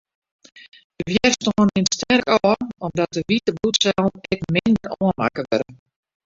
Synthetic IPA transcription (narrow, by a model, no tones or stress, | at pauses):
d̥əʋjɛrstoənɪnstɛrkɔɔmdɔt̚əʋitəblutsɛlˠɛkmɪndərɔənma̰kəʋøɾə̰